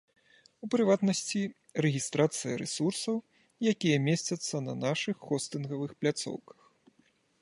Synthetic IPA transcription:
upɾɨvat̪nɐsʲt͡sʲi | rɛɣʲist̪ɾat̪sɨjɐ̰ɾɛ̰sursɐw | jakʲijɐmʲesʲt͡sʲɐt̪sːɐnɐ̰naʂɨxːɔst̪ɨnɣɐvɨxplʲat̪sɔ̰wkɐ̥x

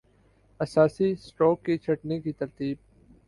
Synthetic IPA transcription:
ɐsaːsisʈoːkːit͡ʃʰɐʈnekit̪ɐɾt̪iːb̚

